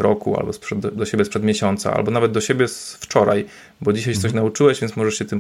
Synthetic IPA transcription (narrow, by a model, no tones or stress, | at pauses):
ɾɔkṵa̰lbɔspʂɛd̪d̪ɔɕebʲjɛspʂɛd̪mʲjeɕɔnt̪sa̰a̰lbɔnavɛd̪̚d̪ɔɕebʲjɛsft͡ʂɔɾa̰j | bɔd͡ʑiɕajt͡ɕɛt̪sɔɕ̬naut͡ʂɘwɛʑvʲjɛnsmɔʐɛʂɕɛt̪ɘm